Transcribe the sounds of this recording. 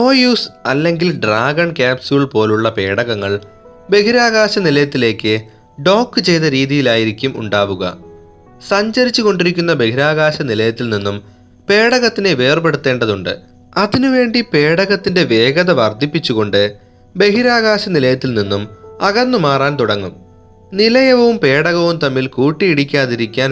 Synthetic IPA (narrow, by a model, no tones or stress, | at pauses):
o̞ːjuːsɐlːe̞ŋɡilɖraːɡɐɳkʲaːpsuɣiɭpo̞ːluɭːɐpe̞ːɽɐɣɐŋːɐɭ | be̞ɦiɾaːɣaːɕɐnilɐjɐt̪ːile̞ːkːɨ | ɖo̞ːkːɨt͡ɕe̞jt̪ɐɾiːðijilaːjiɾikʲːumṵɳɖaːʋuɣɐ̰ | sɐɲd͡ʑɐɾit͡ɕːuɣo̞ɳɖiɾikʲːun̪ːɐbe̞hiɾaːɣaːɕɐnilɐjɐt̪ːilninːum | pe̞ːɽɐɣɐt̪ːineʋe̞ːrpe̞ɽut̪ːe̞ːɳɖɐðuɳɖɨ̰ | ɐðinuʋe̞ːɳɖipe̞ːɽɐɣɐt̪ːinde̞ʋe̞ːɡɐðɐʋɐrd̪ʱipːit͡ɕːuɣo̞ɳɖɨ | be̞ɦiɾaːɣaːɕɐnilɐjɐt̪ːilninːumɐɣɐnːumaːraːnt̪uɽɐŋːum | nilɐjɐʋɐʋumpe̞ːɽɐɣɐʋumt̪ɐmːilkuːʈːijiɽikʲːaːðiɾikʲːaːn